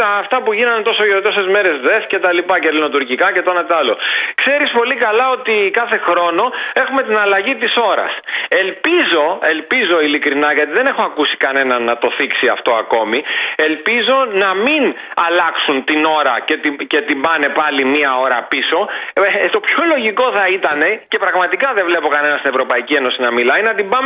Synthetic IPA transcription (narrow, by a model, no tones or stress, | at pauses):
ɐːft̪ɐpuʝinɐnt̪o̞sojot̪o̞se̞zme̞ɾe̞zðe̞fce̞t̪ɐlipɐcelino̞t̪uɾcikɐce̞t̪onɐt̪eɐlo̞kse̞ɾispo̞likɐlɐo̞t̪ikɐθe̞xɾo̞no̞e̞xume̞t̪inɐlɐʝit̪iso̞ɾɐ̰se̞lpizo̞e̞lpizo̞ilikɾinɐʝɐt̪̬iðe̞ne̞xoɐkusi̥kɐne̞nɐnːɐt̪o̞θiksiɐft̪o̞ɐko̞mie̞lpizo̞nɐminɐlɐksunt̪ino̞ɾɐce̞t̪ice̞t̪ibɐne̞pɐlimiɐo̞ɾɐpiso̞t̪o̞pço̞lo̞ʝiko̞θɐit̪ɐne̞cepɾɐɣmɐt̪ikɐðevle̞po̞kɐne̞nɐst̪ine̞vɾo̞pɐicie̞no̞sinɐmilɐinɐt̪imbɐm